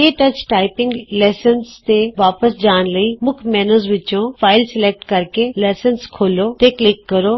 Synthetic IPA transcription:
eːʈɐt͡ʃʈaːɪpɪ̃ŋɡleːsənst̪eʋaːpəsd͡ʒaːnləimʊkʰmɛːnoːzʋɪt͡ʃõfʰaːɪlsɪleːk̚ʈkɐɾkeleːsənskʰoːloːt̪eklɪkːɐɾoː

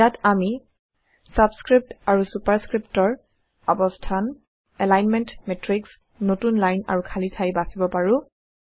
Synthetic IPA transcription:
jatami | sabskɹip̚taɹusupaɹskɹiptɔɹ | ɔbɔstʰan | ɛlajnmɛntmɛtɹiks | notunlajna̰ɹukʰalitʰajbasibɔpaɹʊ̃

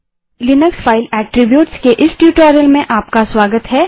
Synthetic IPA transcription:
lɪnəksfʰaːɪlɛːʈɾɪbjuːʈskeʔɪsʈjuːʈɔːɾijəlmẽʔaːp̚kaswaːɡət̪ɦɛː

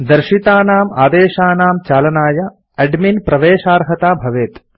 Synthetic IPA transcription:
d̪ɐɾʃit̪aːnaːmaːd̪eːʃaːnaːmt͡ʃaːlɐnaːjɐ | ɐɖminpɾɐʋeːʃaːɾɦɐt̪aːbʱɐʋeːt̪

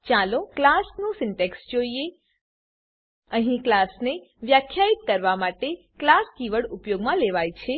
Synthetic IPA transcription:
t͡ʃaloklasnũsɪɳʈeksd͡ʒoie | əɦĩklasne | ʋjakʰjait̪kəɾʋamaʈe | klaskiʋəɽʊpjoɡmãleʋajt͡ʃʰe

